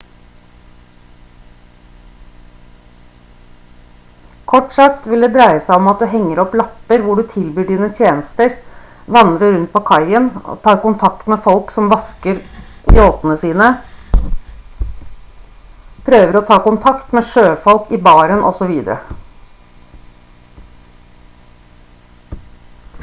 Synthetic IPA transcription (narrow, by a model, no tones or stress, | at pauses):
kʰɔʈsɑkt̪ʋɪld̪eːd̪ɾæɪəsæɪɔmɑt̪̚d̪ʉːɦɛŋːəɾɔplɑpːəɾʋʊɖʉːt̪ʰɪlbyːɖiːnət̪ʰjeːnəst̪əɾʋɑnd̪ɾəɾʉnt̪̚pʰoːkʰɑɪənɔ̰t̪ʰɑːɾkʊnt̪ʰɑk̚t̪meːfɔlksɔmʋɑskəɾjoːt̪ənəsiːnə | pʰɾøːʋəɾɔt̪ʰɑːkʊnt̪ʰɑkt̪meːʂøːfɔlkiːbɑːɾənʔɔ̰sɔʋiːd̪əɾə̰